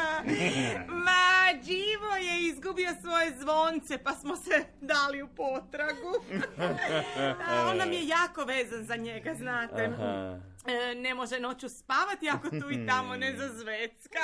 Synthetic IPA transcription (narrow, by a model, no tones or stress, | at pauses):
mad͡ʒiʋo̞je̞izɡubio̞sʋo̞je̞zʋo̞nt̪se̞pasmose | d̪aliupo̞t̪ɾaɡu | onːamije̞jaːko̞ʋeːzanzaɲe̞ɡaznaːt̪e | nemo̞ʒe̞no̞ːt͡ɕuspaːʋat̪iako̞t̪uːit̪amo̞nezazʋet̪ska